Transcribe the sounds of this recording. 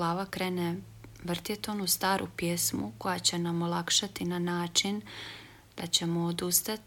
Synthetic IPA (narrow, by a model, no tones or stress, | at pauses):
laːʋakɾeːne | ʋr̩t̪jet̪onust̪aːɾʔṵpjesmṵko̞jat͡ɕe̞namo̞lˠakʃat̪inanaːt͡ʃin | d̪̥at͡ɕe̞moːd̪ust̪at̪